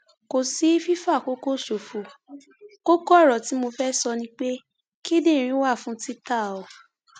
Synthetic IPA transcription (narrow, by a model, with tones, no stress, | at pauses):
ko˨si˨˦fi˦fa˦˨ko˦ko˦˨ʃo˨fu˨ | ko˦ko˦ɔ˦˨ɾɔ˨ti˨˦mo˧fɛ˦sɔ˧nĩ˧k͡pe˦ | ki˦de˦˨ɾ̃ĩ˨˦wa˦˨fũ˦ti˦ta˦˨ɔ˨